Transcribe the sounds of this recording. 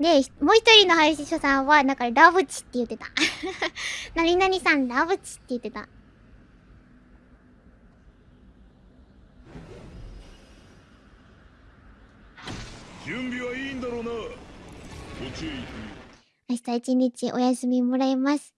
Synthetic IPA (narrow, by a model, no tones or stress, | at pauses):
d̪e̞çmo̞ːçi̥t̪o̞ɾʲino̞hajaɕiɕosãɰ̃βanãŋkaɾaβɯ̟t͡ɕi̥t̪ːe̞jɯ̟t̪ːe̞t̪ḁ | naɲʲinaɲ̟isãnɾaβɯ̟t͡ɕi̥t̪ːe̞jɯ̟t̪ːe̞t̪a̰ | d͡ʑɨ̃mbʲiβaiːnd̪aɾona | ot͡ɕi | aɕi̥t̪ait͡ɕiɲ̟ːit͡ɕiʔo̞jasɨmʲimo̞ɾaimasɨ̥